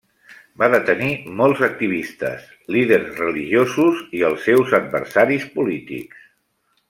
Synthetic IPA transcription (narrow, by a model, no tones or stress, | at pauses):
baðət̪ənimɔlˠzək̚t̪iβ̞ist̪ə̰s | lið̞ərzrəliʒiozuziəlˠsːɛwzəd̪̚bə̰ɾsaɾispulit̪ḭks